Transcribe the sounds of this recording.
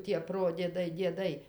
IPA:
tʲiɛ ˈproːdʲiɛdɐɪ dʲiɛˈdɐɪ

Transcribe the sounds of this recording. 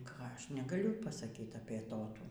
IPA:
ˈkɑː ˈɐʃ nʲɛɡɐˈlʲʊ pɐsɐˈkʲiːt ɐpʲiɛ ˈtoːtuː

